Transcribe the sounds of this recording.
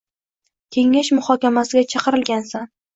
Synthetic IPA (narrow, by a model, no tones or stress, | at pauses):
kʲʰe̞ŋːaʃmʊhɒkʲamasɪɡʲat͡ʃʰɑqɨɾɪlɡʲansan